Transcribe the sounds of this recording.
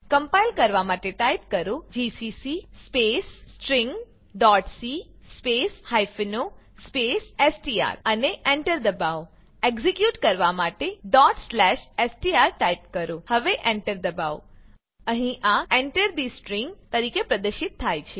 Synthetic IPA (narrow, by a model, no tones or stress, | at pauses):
kəmpajlkəɾʋamaʈeʈaip̚kəɾõd͡ʒisisispesʈɾĩŋɡ | ɖɔʈsispeshajfino | spesesʈia̰ɾəneʔeɳʈəɾd̪əbaʋo | eɡzikjuʈkəɾʋamaʈeɖɔʈslɛʃesʈiaɾʈaip̚kəɾohəʋeʔẽɳʈəɾd̪əbaʋo | əɦĩʔaeɳʈəɾd̪isʈɾiŋɡt̪əɾikepɾəd̪əɾʃɪt̪ʰːajt͡ʃʰe